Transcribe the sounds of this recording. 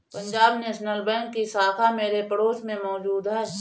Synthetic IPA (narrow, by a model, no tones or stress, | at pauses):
pə̃ɲd͡ʒaːbneːʃnəlbɛ̃ːŋkːisaːkʰameːɾepəɽoːsmẽmɔːd͡ʒuːd̪ɦɛː